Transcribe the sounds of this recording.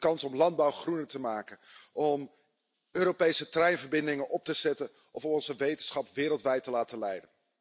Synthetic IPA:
kɑnsɔmlɑnd̚bɑwχrunətəmaːkənʔɔm | øːɾowpejsətrɛjnvəɹbɪndɪŋənʔɔp̚təz̥ɛtən | ʔɔfɔpɔnzəʋejtənsχɑpʋɪːɾəlˠtʋɛjtːəlaːtəlɛjdən

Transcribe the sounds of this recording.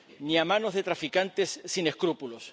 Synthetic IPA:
niamãno̞zðe̞t̪ɾafikant̪esːine̞skɾupulos

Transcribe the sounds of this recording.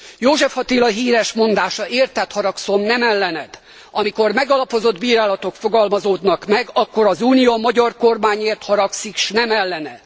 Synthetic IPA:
joːʒɛfhɒt̪iːlɒɦiːɾɛʃmo̞nd̪aːʃɒʔeːrt̪ɛt̪hɒɾɒkso̞mnɛmɛlːɛnɛd̪̥ | ɒmiko̞rmɛɡɒlɒpo̞zo̞d̪biːɾaːlɒt̪o̞kfoɡɒlmɒzoːd̪nɒkmɛɡɒkːo̞ɾɒzuːnijomɒɟɒrko̞rmaːɲeːrt̪hɒɾɒksikʃnɛmɛlːɛnɛ̰d̪̥

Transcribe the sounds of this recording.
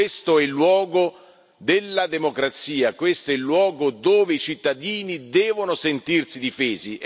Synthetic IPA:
est̪oɛlːwɔːɡo | d̪elːad̪emokɾat̪siːakwest̪oɛlːwɔːɡod̪oːveit͡ʃit̪ːad̪iːnid̪ɛːvonosent̪irsid̪ifeːzi

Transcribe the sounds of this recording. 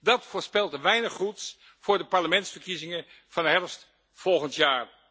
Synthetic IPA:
dɑtfʊːɹspɪlˠdəʋɛjnəχruts | v̥ʊːɹdəpɑɹləmɛntsfəɹkizɪŋən | v̥ɑnɦɛrst | fɔlˠχəntjaːr

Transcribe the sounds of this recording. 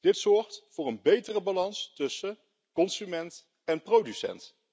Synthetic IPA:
d̥ɪtsɔɹχtfʊːɹənbejtərəbɑlɑnstɵsə | kɔnsymɛnt | ɛnprowdysɛ̰nt

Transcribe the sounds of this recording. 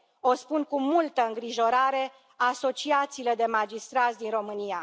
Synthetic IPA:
o̞spunkumult̪əɨŋɡɾiʒo̞ɾaɾe̞ | aso̞t͡ʃiat̪siːle̞d̪e̞mad͡ʒist̪ɾat̪sʲd̪inro̞mɨnia

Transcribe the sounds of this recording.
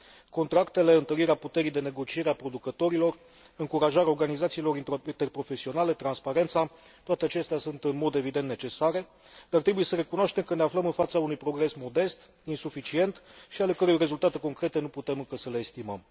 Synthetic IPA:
ko̞nt̪ɾakt̪e̞le̞ɨnt̪əɾiɾeaput̪e̞ɾijd̪e̞ne̞ɡo̞t͡ʃieɾeapɾo̞d̪ukət̪o̞ɾilo̞r | ɨŋkuɾaʒaɾo̞rɡanizat̪silo̞ɾinint̪e̞rpɾo̞fe̞sio̞nale̞t̪ɾanspaɾe̞nt̪sa | t̪oat̪eat͡ʃe̞st̪easunt̪ɨnmo̞d̪e̞vid̪e̞nt̪ne̞t͡ʃe̞saɾe̞ | d̪̥art̪ɾebuje̞səɾe̞kunoaʃt̪e̞mkəneafləmɨnfat̪saunujpɾo̞ɡɾe̞smo̞d̪e̞st̪ | insufit͡ʃie̞nt̪ʃiale̞kəɾujojre̞zult̪at̪e̞ko̞ŋkɾe̞t̪e̞nuput̪e̞mɨŋkəsəle̞ːst̪imə̰m

